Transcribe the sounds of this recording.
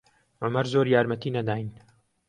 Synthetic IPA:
ʕʊmɐɾzoɾjaːɾmɐt̪iːnɐd̪aːjn

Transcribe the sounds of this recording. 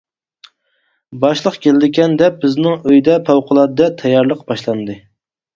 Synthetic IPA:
bɑʃlˠəqkʲʰelɪd̪ɪɡʲɛnd̪ɛbɪznɪŋøjd̪ɛpʰæwqʰʊlˠɑd̪ɨd̪ɛt̪ʰɛjːɑɾlˠəqb̥ɑʃlˠɑnd̪ɨ

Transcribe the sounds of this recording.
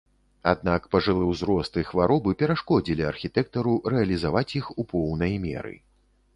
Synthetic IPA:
a̰d̪̚nakpɐʐɨlˠɛwzɾɔst̪ɨxvaɾɔbɨpʲɛɾaʂkɔd͡zʲilʲiɐrxʲit̪ɛk̚t̪ɐɾuɾɛɐlʲizavat͡sʲjixupʰɔwnɐjmʲɛ̰ɾɨ̰

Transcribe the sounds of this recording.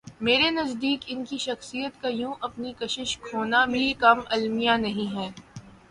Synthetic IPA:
meːɾenɐzd̪iːkɪnkiʃɐxsijət̪kajũːʔɐpnikɐʃɪʃkʰoːnabʱikɐmɐlmijanɐɦĩɦɛː

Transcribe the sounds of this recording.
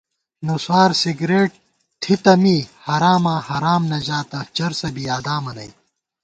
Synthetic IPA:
nuswaːɾsiɡɾeːʈ̚ | t̪ʰit̪ɐmiːhɐɾaːmãːhɐɾaːmnɐd͡ʑaːt̪ɐt͡ɕɐɾsɐbijaːd̪aːmɐnɐ̰j

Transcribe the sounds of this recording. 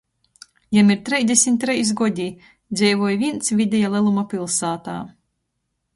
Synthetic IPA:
jamiɾt̪ɾɛj̪ʲd̪ʲesʲimʲt̪ʲɾɛjs̬ɡɔd̪ʲi | d̪zʲɛjvɔjvʲint̪svʲid̪ʲɛjalˠɛlˠumapʲilˠsaːt̪a̰ː

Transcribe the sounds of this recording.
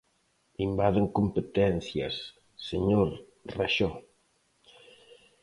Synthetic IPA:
imbaðeŋkompet̪ɛnθja̰sː | eɲoɾ | raʃɔ

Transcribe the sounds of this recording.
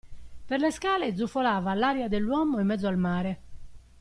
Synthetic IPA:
perleskaːled̪zufolaːvalaːɾjad̪elːwɔːmoimːɛt̪d̪zoalmaːɾe

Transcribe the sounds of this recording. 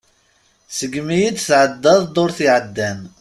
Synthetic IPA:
səɡmijid̪θʕəd̪ːɑðˤd̪ˤoɾθiʕəd̪ːæn

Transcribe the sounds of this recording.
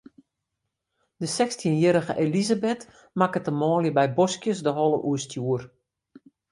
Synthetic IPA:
dəsɛkstʰiənjəɾəɣə̰ʔelizabet | makətəmɔːljəbɛjbɔskjəsdəɦɔlˠəʔuəstjuər

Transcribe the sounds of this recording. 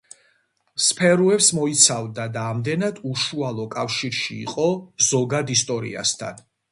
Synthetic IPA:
spʰɛɾuɛpsmɔit̪sʰavd̪ad̪aːmd̪ɛnad̪uʃualˠɔkʼafʃiɾʃḭːqʼɔz̥ɔɡad̪ist̪ʼɔɾḭa̰st̪ʰa̰n

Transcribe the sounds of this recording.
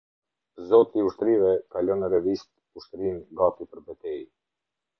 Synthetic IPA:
zɔt̪iːuʃt̪ɾivɛkalɔnəɾɛvist̪̚ | uʃt̪ɾinɡat̪ipəɾbɛt̪ɛj

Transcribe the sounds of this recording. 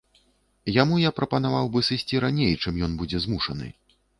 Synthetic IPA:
jamujapɾʔɐpɐnavawbɨsɨsʲt͡sʲiɾanʲejt͡ʂɨmjɔnbud͡zʲɛzmuʂɐnɨ̰

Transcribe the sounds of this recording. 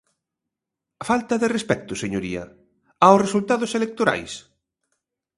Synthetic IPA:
ɐfalt̪ɐðɪrespɛk̚t̪ʊseɲoɾiɐ̰ | aʊsresult̪aðʊselek̚t̪oɾa̰js

